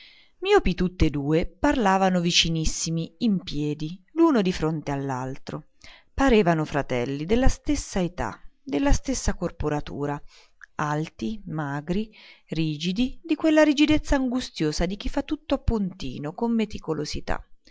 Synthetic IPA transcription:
miːopit̪ut̪ːed̪uːeparlaːvanovit͡ʃinisːimiːmpjɛːd̪iluːnod̪ifɾont̪ealːalt̪ɾo | paɾeːvanofɾat̪ɛlːid̪elːast̪esːaet̪a̰d̪elːast̪esːakorpoɾat̪ṵːɾa | alt̪imaːɡɾiriːd͡ʒid̪id̪ikwelːaɾid͡ʒid̪et̪sːaːŋɡust̪joːzad̪ik̟ifːat̪ːut̪ːoapːunt̪ḭːnokomːet̪ikolozit̪a̰

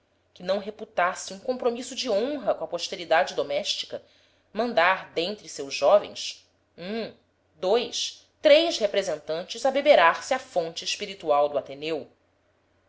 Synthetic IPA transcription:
kɪnɐ̃w̃ɦeput̪asɪũkõpɾomisʊd͡ʒiõɦɐkõɐpoʃt̪eɾid̪ad͡ʒɪd̪omɛʃt͡ʃi̥kɐ | mɐ̃nd̪aɾd̪ẽnt̪ɾɪsewzʒʒɔvḛ̃j̃s | ũ | d̪ojʃ | t̪ɾejʃhepɾezẽnt̪ɐ̃nt͡ʃɪzɐbebeɾaɾsɪɐfõnt͡ʃɪːʃpiɾit̪uawd̪ʊat̪enew

